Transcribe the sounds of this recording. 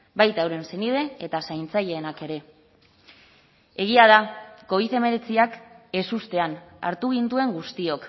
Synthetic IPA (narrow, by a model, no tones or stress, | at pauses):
bajt̪aewɾe̞nse̞nið̞e̞et̪asajnt͡saje̞ːnake̞ɾe̞ | e̞ɣ̞iað̞ako̞βiθe̞me̞ɾe̞t͡siake̞sust̪e̞ana̰ɾt̪uɣ̞int̪ue̞ŋɡust̪io̞k